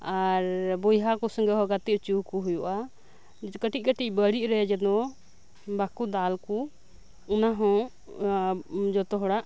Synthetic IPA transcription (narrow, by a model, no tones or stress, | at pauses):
aɾbɔjɦakusəŋɡɛɦɔɡat̪it͡ʃukuɦujuʔa | kəʈit̪̚kəʈic̚bəɽiʔ̚ɾɛd͡ʒɛd̪ɔ | bakud̪alku | unaɦɔ̃ | d͡ʒɔt̪ɔɦɔɽaʔ